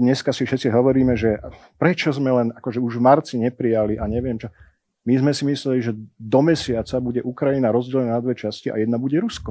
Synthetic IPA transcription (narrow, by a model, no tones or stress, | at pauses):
ɲɛskasifʃɛt̪t͡siɦɔʋɔɾiːmɛʒɛpɾɛt͡ʃɔzmɛlɛnakɔʒɛuʒvmaɾt͡siɲɛpɾijaliʔaɲɛʋɪɛmt͡ʃɔ | mizmɛsimislɛliʒɛd̪ɔmɛsɪat͡sabuɟɛʔukɾajinaɾɔzɟɛlɛnanad̪ʋɛt͡ʃasciʔa̰jɛd̪nabuɟɛɾuskɔ